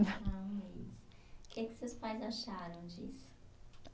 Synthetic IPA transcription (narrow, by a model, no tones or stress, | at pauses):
ɐɛḭsʊ̥kɛkɪ̥sewspajzaʃaɾɐ̃w̃d͡ʒisʊ̥